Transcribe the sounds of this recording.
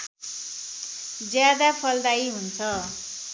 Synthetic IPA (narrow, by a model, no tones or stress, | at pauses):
d͡zjad̪apʰʌld̪aiɦunt͡sʰʌ